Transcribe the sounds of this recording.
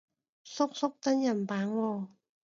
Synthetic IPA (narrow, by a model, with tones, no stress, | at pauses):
so˦˥k̚so˦˥k̚t̪a˧˥nja˧˩˨mpaː˨˦ŋwɔː˧˩